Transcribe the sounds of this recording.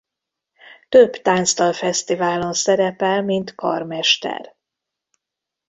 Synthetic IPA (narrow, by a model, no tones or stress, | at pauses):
t̪øbt̪aːnst̪ɒlfɛst̪ivaːlo̞nsɛɾɛpɛlmint̪kɒ̰rmɛʃt̪ɛ̰r